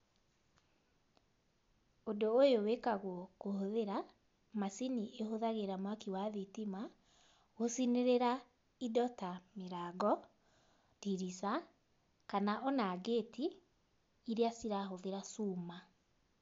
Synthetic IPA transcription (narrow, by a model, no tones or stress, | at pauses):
odoːjowekaɣwɔkohoðeɾa | masiniʔehoðaɣeɾamwakiwaðitima | ɣosineɾeɾa | idɔtameɾaɡɔ | diɾisa | kanaʔɔnaɡetiː | ɾeasiɾaɦoðeɾasuma